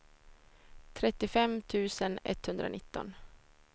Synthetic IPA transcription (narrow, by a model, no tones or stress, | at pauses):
t̪ʰɾɛt̪ːɪfɛmt̪ʰʉ̟ːsənɛ̰t̪ːhɵnd̪ɾa̰nɪt̪ːɔ̰n